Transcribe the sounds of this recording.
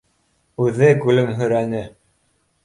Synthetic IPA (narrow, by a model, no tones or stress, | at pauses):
ʉðɘɡʉlɘmɦɵ̆ɾænɘ